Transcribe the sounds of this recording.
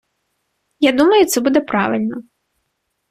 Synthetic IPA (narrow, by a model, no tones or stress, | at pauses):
jad̪umɐjʊt̪sɛbud̪ɛpɾaʋɪlʲnɔ